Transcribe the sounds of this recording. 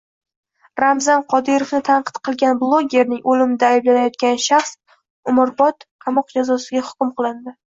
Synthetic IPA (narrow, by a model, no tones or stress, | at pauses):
ɾamzanqʰɒd̪ɪɾofnɪt̪ʰanqɨ̥t̪qʰɨlˠɡʲanblˠoɡʲe̞ɾnɪŋʔolɪmɪd̪aːjblanajɒt̪̚kʲanʃaχs | ʊmʊɾbɒt̪qʰɑmɒq̚d͡ʒazɒsɪɡʲahʊ̥kʲʊmqɨlˠɪnd̪ɪ